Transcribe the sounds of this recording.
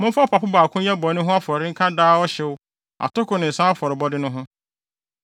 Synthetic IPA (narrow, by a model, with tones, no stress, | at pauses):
mʊ̃˦m̩˦fɔ˦pʰa˨pʊ˦baː˨kʰʊ̃˦ɛ˦bɔ˨˦nʊ̃˦ɦʊ̃˦a˦fɔ˨ɾɪ˦ŋ̩˦kʰa˦daː˦ɔ˦ɕɛ˨wʊ˦ | a̰˨tʊ˦kʊ˨nɪ̃˨n̩˨sã˦a˦fɔ˨ɾɪ˨bɔ˦dɪ˦nʊ̃˦ɦʊ̃˦